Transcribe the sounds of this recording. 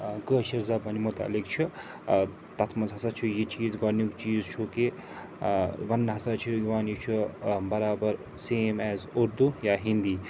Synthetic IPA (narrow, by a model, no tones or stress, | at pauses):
kəːʃiɾzabɐnimut̪a̰ːlikt͡ʃʰi | t̪ɐt̪ʰmɐzɦɐsat͡ʃʰijit͡ʃiːzɡɐɾnikt͡ʃiːzt͡ʃʰuke | ʋɐnɦɐsat͡ʃʰuiʋaːnjit͡ʃʰubɐɾaːbɐɾ | seːmɛːzuɾd̪ujaːɦĩnd̪iː